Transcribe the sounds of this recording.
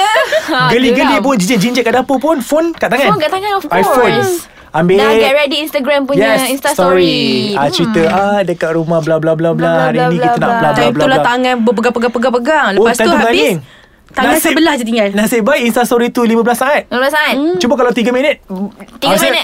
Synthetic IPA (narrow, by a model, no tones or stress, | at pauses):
ɡəliɡəlip̬ʊnd͡ʒid͡ʒəʔd͡ʒiɲd͡ʒətkaʔdapəpʊnfonkaʔt̪aŋãnkaʔt̪aŋãnɔfajfəns | ambeɡaɾɛdiinst̪aɡɾampujɛsinst̪sɔɾiat͡ʃɾit̪əadəkaʔ̚ɾumahblablablabəlahaɾinĩkit̪anaʔlab̪blaulaht̪aŋãnbəpəɡapəɡapəɡapəɡaŋləopast̪ant̪uŋaliŋ | t̪anŋansbəlahd͡ʒat̪iŋɡalnasibajʔinst̪ast̪ɔɾit̪ulimabəlasaat̪̚imablasaat̪̚t͡ʃubəkalawt̪iɡəminət̪̚iasənə